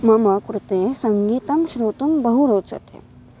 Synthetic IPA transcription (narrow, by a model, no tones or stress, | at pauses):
mɐmɐkɾut̪eːsɐŋɡiːt̪ɐmʃɾoːt̪umbɐɦuɾoːt͡ʃɐ̰t̪ʰḛ